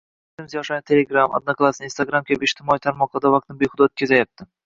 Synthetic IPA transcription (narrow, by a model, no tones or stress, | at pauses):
t̪ɪmɪzjɒʃaɪt̪ʰeleɡɾama̰d̪naklˠasnɪinst̪aɡɾamkʲʰabɪpɪʃt̪ʰɪmɒit̪ʰaɾmɒqˠɨd̪avɑqt̪ʰɪnbeχʊd̪aot̪̚kʲazajap̚t̪ʰɪ